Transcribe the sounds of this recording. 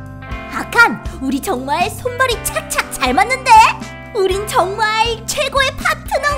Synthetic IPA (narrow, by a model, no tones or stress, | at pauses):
akʰanuɾit͡ɕʌŋmaɭesʰonbʌɾit͡ɕʰak̚t͡ɕʰak̚t͡ɕaɭmanːɯnde̞ | uɾint͡ɕʌŋmaɭt͡ɕʰwe̞ɡoe̞pʰatʰɯnʌ